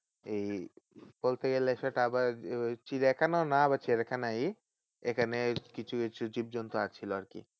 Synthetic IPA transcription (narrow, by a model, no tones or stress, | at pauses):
ejbolt̪eɡɛleʃaʈaabaɾt͡ʃiɾɛkʰanonaabat͡ʃʰieɾɛkʰanaj | ekʰanekit͡ʃʰuit͡ʃʰud͡ʑib̚d͡ʒɔnt̪oat͡ʃʰiloaɾkḭ